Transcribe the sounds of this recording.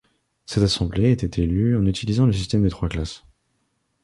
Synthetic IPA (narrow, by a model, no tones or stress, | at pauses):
sɛt̪asɑ̃bleːt̪ɛt̪ʰelyɑ̃nyt̪ʰilizɑ̃ləs̬ist̪ɛmd̪ət̪χwaklas